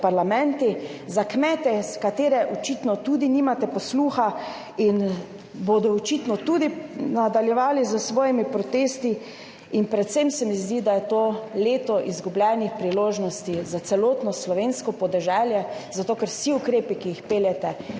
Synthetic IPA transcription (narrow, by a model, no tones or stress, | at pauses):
paɾlamɛ̃nt̪izakmɛt̪ɛskat̪eːɾɛʔɔt͡ʃit̪nɔt̪ud̪iniːmat̪ɛpɔsluːxa | in | bod̪ɔɔt͡ʃit̪nɔt̪ud̪inad̪aljɛʋaːlizəsʋɔːjimipɾɔt̪eːst̪i | inpɾɛt̪semsɛmizd̪id̪ajɛt̪oːleːt̪ɔʔizɡublʲjɛnixpɾiloːʒnɔst̪izat̪sɛloːt̪nɔslɔʋenskɔpɔd̪ɛʒɛljɛzat̪oːkɛɾsiukɾeːpikiixpeːljɛt̪ɛ